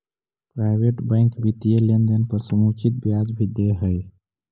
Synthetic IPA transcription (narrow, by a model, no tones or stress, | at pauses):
pɾaɪbeʈbãɪŋkbit̪ijelend̪ənpəɾsəmut͡ʃit̪̚bjad͡ʒbʱid̪eɦəj